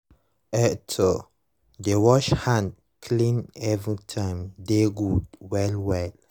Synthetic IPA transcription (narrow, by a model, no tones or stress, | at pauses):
ɛtʰɔ | dewɔʃhãnd | kʰlĩnɛvɹitʰãɪ̃mdeɡudwɛlwɛl